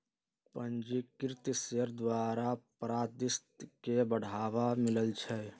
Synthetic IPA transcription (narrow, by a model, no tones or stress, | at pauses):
pə̃nd͡ʒikɪɾɪt̪sjəɾd̪waːɾapɾaːd̪ɪst̪kebəɽ̤aːwamɪləlt͡ʃʰɛ